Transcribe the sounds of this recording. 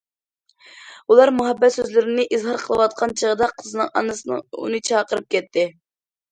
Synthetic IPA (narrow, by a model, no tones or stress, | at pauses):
ulˠɑɾmuɦɛbːɛt̪søzlɪɾɪnɪʔizɦɑɾqʰəlˠəwɑt̪̚qʰɑnt͡ʃʰəʁəd̪ɑqʰəzɨnɨ̰ŋʔɑ̰nɨsɨnɨ̰ṵnɨt͡ʃʰɑqəɾɨp̚kʲɛt̪ʰːɪ